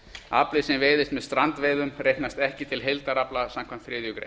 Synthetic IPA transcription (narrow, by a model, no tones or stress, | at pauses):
a̰plɪsɛmvɪːðɪst̪mɛðst̪ɾant̪veːðʏmrejknast̪ɛhcɪt̪ʰɪlɦejlt̪aɾaplasamkʰan̥t̪θɾɪːðjʏkɾḛ